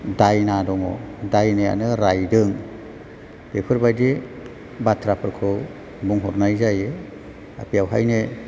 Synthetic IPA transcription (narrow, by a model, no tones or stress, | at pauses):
dajnadɔŋɔ̰dajneja̰nɯɾajdɯŋ | d̥epʰɯɾbajdi | batʰɾapʰɯɾkʰɯw | buŋɦɔɾnajzaje | a̰pʰijawɦa̰jne